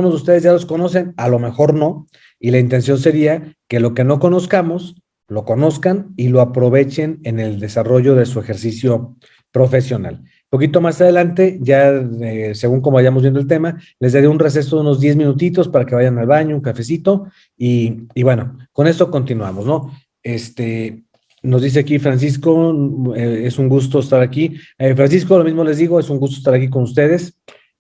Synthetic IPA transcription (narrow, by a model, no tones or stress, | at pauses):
unozðust̪e̞ð̞e̞zʝalo̞sko̞no̞se̞nalo̞me̞xo̞ɾno̞ | ilaint̪e̞ns̬jo̞nse̞ɾiake̞lo̞ke̞no̞ko̞no̞skamo̞s | lo̞ko̞no̞skanilo̞apɾo̞β̞e̞t͡ʃe̞ne̞ne̞ld̪e̞saro̞ʝo̞ðe̞sue̞xe̞ɾsisjo̞ | pɾo̞fe̞sjo̞na̰l | po̞k̬it̪omasað̞e̞lant̪e̞ʝaese̞ɣuŋk̬o̞moajamozβjend̪olt̪̬e̞male̞zd̪eðjounre̞s̬e̞s̬ouno̞zd̪je̞zmĩnut̪̬it̪o̞spaɾakeβaʝanalβaɲouŋkafe̞sit̪o̞ | iːβwe̞no̞ko̞ne̞so̞ko̞nt̪inwa̰mo̞zno̞ | est̪e̞ | no̞zd̪is̬e̞akifɾans̬isko̞eesuŋɡus̬t̪o̞est̪aɾakiefɾansisko̞lo̞mizmole̞zðiɣo̞e̞suŋɡust̪oest̪aɾak̬ik̬o̞nust̪e̞ð̞e̞s